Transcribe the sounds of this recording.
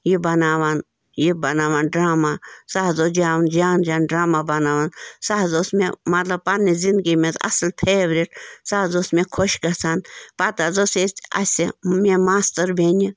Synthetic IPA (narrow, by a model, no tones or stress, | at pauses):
jibɐnaːʋan | jibɐnaːʋanɖɾaːmasaːzod͡ʒaːʋnd͡ʒaːnd͡ʒaːnɖɾaːmabɐnaːʋansaːɦzoːsmemɐt̪lɐb̚pɐnːizind̪ɡimet͡sɐ̰slpʰeːbɾiʈsaɦzoːsmẽkʰoʃɡɐt͡sʰaːnpɐt̪azoseɐ̰sʲimemaːst̪əɾbʱeːni